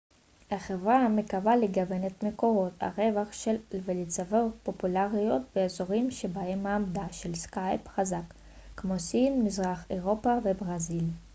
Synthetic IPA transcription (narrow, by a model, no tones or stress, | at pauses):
haχevʁamekavaleɡave̞net̪meko̞ʁo̞t̪a̰ʁe̞vaχʃelvelit͡savopo̞pulaʁijo̞t̪veezo̞ʁimʃe̞baemːaːmd̪aʃelskajpχazakː | mo̞sinːizʁaχeʁo̞pavebʁazil